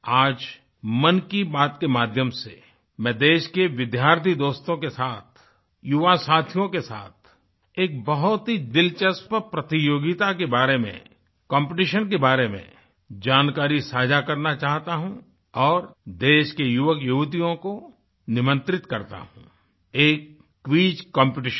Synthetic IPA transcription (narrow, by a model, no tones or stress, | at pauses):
aːd͡ʒ | mɐnkibaːt̪kemaːd̪ʱjəmsḛ | mɛ̃d̪eːʃkeʋɪd̪ʱjaːɾt̪ʰid̪oːst̪õkesaːt̪ʰ | jʊʋasaːt̪ʰijõkesa̰ːt̪ʰ | eːk̚bɐɦʊt̪ɦid̪ɪlt͡ʃəspəpɾɐt̪ijoːɡɪt̪akebaːɾemḛ̃ | kɔ̃ːmpɪʈiʃənk̬ebaːɾemḛ̃ | d͡ʒaːnkaːɾisaːd͡ʒʱakɐɾnat͡ʃaːɦt̪aɦũ | ɔːɾd̪eːʃkejʊʋəkjuːt̪̬ijõko | nɪmə̃nt̪ɾɪt̪kɐɾt̪a̰ɦṵ̃ | eːkː | ʋiːd͡ʒkɔ̃ːmpɪʈɪʃə